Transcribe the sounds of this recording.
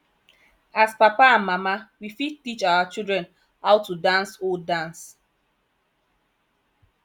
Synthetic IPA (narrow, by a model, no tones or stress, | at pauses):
aspapaãnmamawifitit͡ʃawat͡ʃildɹɛ̃n | hawtudãnsodãns